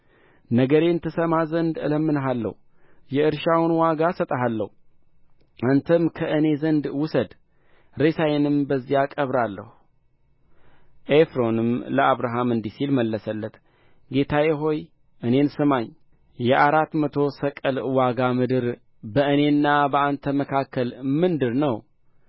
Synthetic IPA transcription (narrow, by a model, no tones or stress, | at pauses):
nəɡəɾeɨnt̪ʰɨsəmazənd̪ɨ̰ləmːɨnɦalːə̰hu | jɛɨɾʃawnwaɡasət̪ʼəɦalːə̰hu | ʔant̪ʰəmkʰəʔɨne̞zənd̪wʊsəd̪ | ɾesajenɨmbəzːiakʼəβɾalːə̰hu | ʔefɾo̞nɨmləaβɾaɦamɨnd̪isilməlːəsəlːət̪ | ɡe̞t̪ʰajɛɦo̞j | ʔɨne̞nsɨmaɲ | jɛʔaɾat̪mət̪ʰo̞səkʼəlwaɡamɨd̪ɨɾ | bəɨne̞nːabəant̪ʰəməkʰakʰːəlmɨnd̪ɨɾnəw